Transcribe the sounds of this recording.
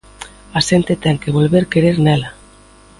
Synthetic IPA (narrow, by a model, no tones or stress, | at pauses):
asent̪et̪ɛŋkeβolβeɾkeɾeɾnɛla